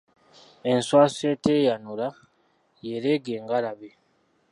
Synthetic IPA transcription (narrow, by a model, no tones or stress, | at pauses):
enswaːseteːjanula | jeɾeɡeːŋɡalaβe